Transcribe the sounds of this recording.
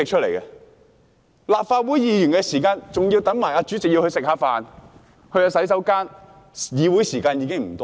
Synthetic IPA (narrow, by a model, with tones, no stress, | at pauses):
ɪ˨k̚t͡ʃʰə˥t̚le˨˩jkɛ˧ | laː˨p̚faː˧t̚wuː˨˥jjiː˨˧jyː˨˩nkɛ˧siː˨˩kaː˧nt͡sʊ˨ŋji˧wt̪ɐ˨˥ŋmaː˨˩jaː˧t͡ʃyː˨˥t͡sɪ˨k̚ji˧whɵ˧ɥsɪ˨k̚haː˨˧faː˨n | hɵ˧ɥjɐː˧sɐ˨˥jsɐ˨˥wkaː˥n | jiː˨˧wu˨˥jsiː˨˩kaː˧njiː˨˧kɪ˥ŋm̩˨˩t̪ɔː˥